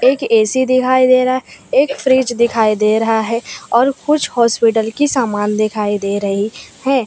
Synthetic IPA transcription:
eːkeːsid̪ɪkʰaːid̪eːɾɦaɛeːkfʰɾiːd͡ʒd̪ɪkʰaːid̪eːɾɐɦaɦɛɔːɾkʊt͡ʃʰhɔːspɪʈəlkisaːmaːnd̪ɪkʰaːid̪eːɾəɦihɛː

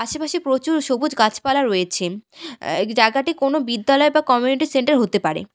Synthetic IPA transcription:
aʃapaʃipɾot͡ɕuɾʃobud͡ʑɡat͡ɕʰpalaɾːojet͡ɕʰe | d͡ʑaɡaʈikonobid̪ːalɔebakɔmjuniʈiseɳʈaɾɦot̪epaɾḛ

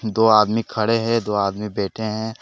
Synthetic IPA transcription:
d̪oːaːd̪mikʰɐɽeɦɛ̃d̪oːaːd̪mibeːʈʰeɦɛ̃ː

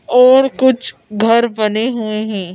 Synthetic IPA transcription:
ɔːɾkʊt͡ʃʰɡʱɐɾbɐneɦueɦɛ̃ː

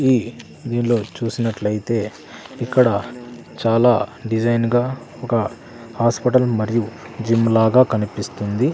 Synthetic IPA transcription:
i | d̪iːnlo̞ːt͡ʃuːsinɐʈlɐjit̪e̞ː | ikːɐɽɐ | t͡ʃaːlaːɖid͡ʒɐjnɡaː | ɔkɐ | haːspɐʈɐlmɐɾiju | d͡ʒimlaːɡaːkɐnipist̪und̪i

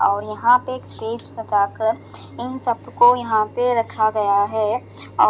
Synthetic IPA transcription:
ɔːɾjɐɦãpeːksʈeːd͡ʒsɐtaːkəɾ | ɪnsɐbkojɐɦãpeɾɐkʰaɡɐjaɦɛː | ɔː

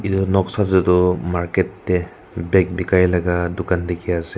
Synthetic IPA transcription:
itɔnɔksatzɔtʊmaɹkɛtːɛ | bɛk̚bikajlaɡadʊkandekiasɛ

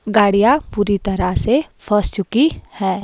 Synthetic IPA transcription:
ɡaːɽijapuːɾit̪ɐɾasepʰəst͡ʃʊkihɛː

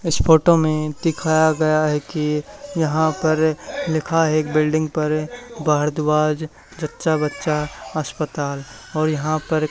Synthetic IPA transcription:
ɪspʰoːʈomẽd̪ɪkʰaːjaɡɐjaɦɛkijɐɦãpɐɾlɪkʰaɦeːkbɪlɖɪ̃ŋɡpɐɾbaɦɾd̪baːd͡ʒ | d͡ʒətːʃabətːʃaəspət̪aːlɔːɾjɐɦãpəɾ

